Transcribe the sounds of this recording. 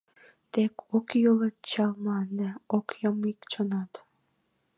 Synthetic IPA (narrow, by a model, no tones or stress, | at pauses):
t̪ekʰokjulət̪t͡ɕɑlmlɑnːeokjəmikt͡ɕonɑt̪